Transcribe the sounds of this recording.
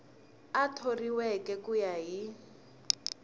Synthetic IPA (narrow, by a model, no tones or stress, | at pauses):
atʰoriwɛkʼɛkujaɦi